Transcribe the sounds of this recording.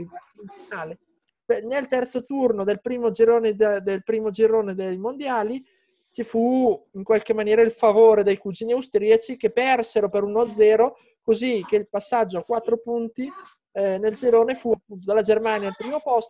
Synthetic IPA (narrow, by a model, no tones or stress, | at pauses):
innaːle | penelt̪ɛrt̪sot̪urnod̪elpɾiːmod͡ʒiɾoːned̪d̪elpɾiːmod͡ʒiɾoːned̪ejmond̪jaːli | t͡ʃifuiŋkwalk̟emːanjɛːɾailfavoːɾed̪ejkud͡ʒiːniawst̪ɾiat͡ʃik̟epːɛrseɾopeɾunoad̪zːɛːɾo | kozik̟eilpasːad͡ʒːoakwat̪ːɾopunt̪i | neld͡ʒiɾoːnefuapːunt̪od̪alːad͡ʒermaːnjalpɾiːmopɔst̪o